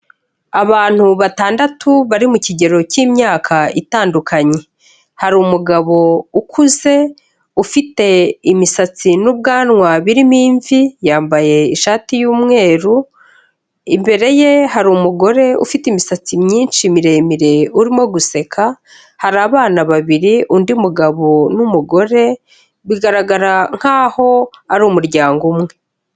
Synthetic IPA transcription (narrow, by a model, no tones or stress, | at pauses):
aβaːn̥huβataːndatuβaɾimuciɟe̞ɾo̞cimɲaːkʰaitaːndukʰaɲe̞ | haɾumuɡaβo̞ukʰuze̞ | ufite̞imisat͡sinub̚ɡaːnŋwaβiɾimiːɱvijaːmbaje̞iʃaːtijuːmŋe̞ːɾu | imbe̞ɾe̞je̞ɦaɾumuɡo̞ɾe̞ṵfitimisat͡simɲiːnʃimiɾe̞miɾe̞uɾimo̞ɡuse̞kʰa | haɾaːβaːnaβaβiɾiʔundimuɡaβo̞numuɡo̞ɾe̞ | βiɡaɾaɡaɾaŋ̥haːho̞aɾumuɾɟaːŋɡumŋe̞